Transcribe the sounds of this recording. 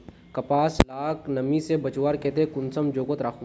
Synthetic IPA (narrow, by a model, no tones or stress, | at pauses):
kɐpaːslaːknɐmisebɐt͡ʃwaːɾkeːt̪ekʊnsəmd͡ʒoːkot̪ɾaːkʰũː